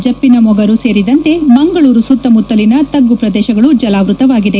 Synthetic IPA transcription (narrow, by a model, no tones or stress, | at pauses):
d͡ʒɐpːinɐmɔɡɐɾuse̞ːɾid̪ɐnt̪e̞mɐŋɡɐɭuːɾusut̪ːɐmut̪ːɐlinɐt̪ɐɡːupɾɐd̪ɛːʃɐɡɐɭud͡ʒɐlaːʋɾut̪ɐʋaːɡid̪e̞